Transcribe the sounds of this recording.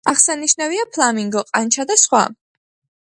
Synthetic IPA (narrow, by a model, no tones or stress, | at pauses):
aχsaniʃnaviapʰlˠamiŋɡɔqʼant͡ʃʰad̪asχwa̰